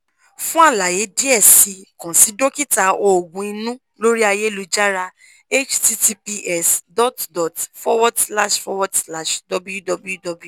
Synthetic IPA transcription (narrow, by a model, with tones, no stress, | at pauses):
fũ˦a˦˨la˨je˨˦di˦ɛ˦˨si˧kɔ̃˨si˨˦do˦ki˦ta˧ɔ˧˨ɡũ˨i˧nũ˦ | lo˦ɾi˦a˧je˦lu˧d͡ʒa˦ɾa˧ | e˦t͡ʃti˧ti˧˦pi˧ʔɛ˦˨sdɔ˦tdɔ˨tfɔ˦wɔ˦dsla˦ʃfɔ˧˦wɔ˦dsla˦˨ʃdɔ˨˦bu˦ju˦dɔ˧bu˦ju˦dɔ˨bu˦u˦˨